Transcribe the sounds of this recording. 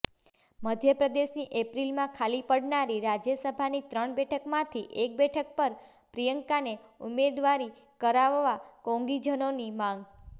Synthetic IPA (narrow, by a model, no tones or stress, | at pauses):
məd̪ʱjəpɾəd̪eʃniʔepɾilmãkʰalipəɽnaɾiɾad͡ʒjəsəbʱanit̪ɾəɳbɛʈʰəkmãt̪ʰiʔek̚bɛʈʰək̚pəɾ | pɾijəŋkaneumed̪ʋaɾi | kəɾaʋːakõŋɡid͡ʒənonimãŋɡ